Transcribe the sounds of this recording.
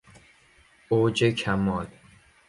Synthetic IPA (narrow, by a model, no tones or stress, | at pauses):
oːd͡ʒekʰæmɒːl